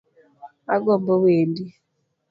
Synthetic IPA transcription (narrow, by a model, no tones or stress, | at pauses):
aɡɔmbɔweːndi